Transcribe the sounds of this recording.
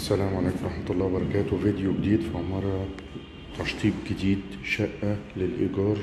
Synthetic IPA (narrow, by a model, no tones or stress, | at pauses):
ʔsælæːmʕaleːkmɾˤɑħmɑt̪ɑlˤːɑːwbɑɾˤɑkæːt̪wvid̪joɡɪd̪iːd̪fiʕmɑɾˤɑ | t̪ɑʃt̪ˤiːbɡɪd̪iːd̪ʃæʔːalɪlʔɪ̰ɡɑːɾˤ